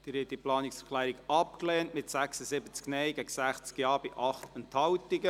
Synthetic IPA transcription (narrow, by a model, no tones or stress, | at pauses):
d̥ɪɾɛt̪ːiplɑːnɪksəkʰχlæːɾiɡɑp̚klɛːntmɪtsæksəzɪbət͡sknɛjɡɛɡsæχt͡skjɑːbɪʔɑχt̪ənthɑwtɪɡə